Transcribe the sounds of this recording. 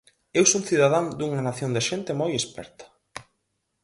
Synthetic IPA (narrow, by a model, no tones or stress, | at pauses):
ewsoŋθiðaðaŋd̪uŋanaθjond̪eʃent̪emojespɛ̰ɾt̪ɐ̥